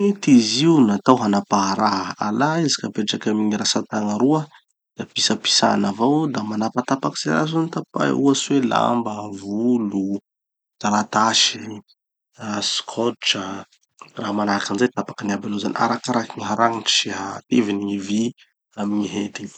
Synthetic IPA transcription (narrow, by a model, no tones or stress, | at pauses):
it̪iziunat̪awɦanapaɦɾaɦalaizikapeʈ͡ʂakamiɲiɾasat̪aŋəɾuə | d̪̥apisəpi̥sa̰navawd̪amanapat̪apakiz̥eɾa̰zanit̪apa̰juasuwela̰mbəvulu | z̥aɾat̪aʃi | askʰɔt͡ʃə | raɦamanakanzet̪apḁkaniabalozanʔa̰ɾakaɾakiŋiɦaɾaŋiʈ͡ʂiɦat̪evinivi | amiɲiɦet̪iɲ